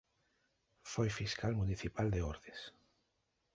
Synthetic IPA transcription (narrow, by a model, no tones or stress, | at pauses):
fojfiskalmuniθipald̪eoɾðes